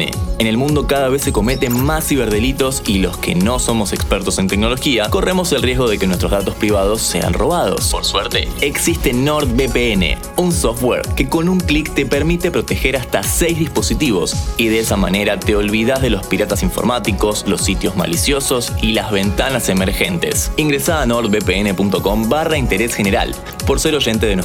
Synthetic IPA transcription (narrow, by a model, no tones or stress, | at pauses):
ḛene̞lmũnd̪o̞kaðaβe̞sːe̞ko̞me̞t̪e̞nmasiβeɾð̞e̞lit̪o̞silo̞̰ske̞̰no̞so̞mo̞se̞kspeɾt̪o̞se̞nt̪ek̚nolo̞xiako̞re̞mo̞se̞lrje̞zɣo̞ð̞e̞kenwe̞st̪ɾo̞zðat̪ospɾiβ̞að̞o̞sːe̞̰a̰nro̞̰βaðo̞̰spoɾsweɾt̪eeksist̪e̞noɾt̪̚bepeenḛ | unsoft̪wḛɾke̞ko̞nuŋklikt̪e̞peɾmit̪e̞pɾot̪e̞xeɾast̪asejzðispo̞sit̪iβo̞̰siðeesamane̞ɾat̪e̞o̞lβiðazð̞e̞lo̞spiɾat̪asiɱfo̞̰ɾmat̪iko̞slo̞sːit̪jo̞zma̰lisjo̞so̞silazβe̞nt̪anase̞meɾxe̞nt̪e̞̰siŋɡɾesaðanoɾt̪̚bepeene̞punt̪o̞ko̞mbaraint̪e̞ɾesxeneɾa̰l | po̞ɾse̞ɾo̞ʒe̞nt̪eðen